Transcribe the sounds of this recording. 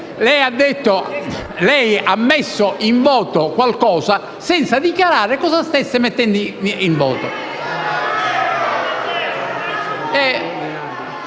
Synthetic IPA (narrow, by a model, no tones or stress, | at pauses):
lɛjad̪ːet̪ːolɛjamːɛsːoʔiɱvɔːt̪okwalkɔːza | sɛnt̪sad̪ikjaɾaːɾekɔsast̪ɛsːɪmet̪ːɛnd̪iiɱvɔ̰ːt̪o̰ | ɛ